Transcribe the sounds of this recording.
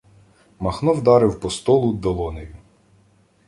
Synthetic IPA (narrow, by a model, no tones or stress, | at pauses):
mɐxnɔwd̪ɑɾɪwpɔst̪ɔlˠʊd̪ɔlˠɔnejʊ